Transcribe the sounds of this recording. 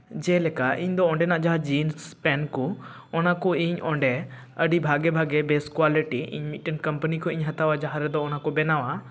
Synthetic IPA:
d͡ʒɛlɛkaʔḭɲd̪ɔɔ̃ɳɖɛnaʔd͡ʒaɦad͡ʒinspɛnkɔ | ɔnakɔiɲɔɳɖɛ | əɖibʱaɡɛbʱaɡɛbeskwaliʈiʔḭɲmiʈənkɐmpənikʰɔiɲɦɐt̪awad͡ʒaɦaɾɛd̪ɔːnakɔbɛnawa

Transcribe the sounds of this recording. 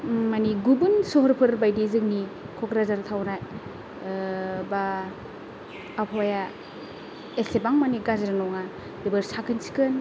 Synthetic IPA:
maniɡubunsoɦɔɾpʰɯɾbajdizɯk̚ni | kʰɔkɾazaɾtʰawna | ba | pʰɔja | esebaŋmaniɡazɾanɔŋa | dibɯɾsakʰɯnsi̥kɯn

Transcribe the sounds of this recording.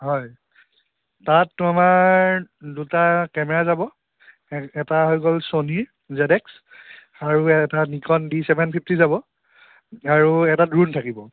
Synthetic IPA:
ɦɔj | tatːamaɹdutakɛmɛɹazabɔ | ɛtaɦɔjkɔlsoniɹ | zɛdɛks | aɹuɛtanikɔndisɛbʱɛnpʰip̚ʰtizabɔ | aɹuɛtadɹuntʰakibɔ

